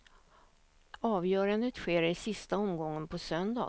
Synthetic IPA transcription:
ɑːvjœːɾand̪ət̪ɧeːɾɪsɪst̪aɔmɡɔŋːənpʰɔsœnd̪ɑ̰ː

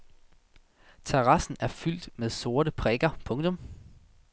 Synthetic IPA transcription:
t͡sʰeʁɑ̈sn̩æɐfyl̰d̥með̞ˠso̝ːɐɾəpʰʁɛɡ̥ɐpʰɔ̽ŋt͡sʰɔ̽m

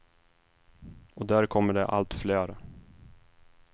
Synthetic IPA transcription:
ɔd̪æːɾkʰɔmːəɖɛʔa̰lt̪fleːɾə

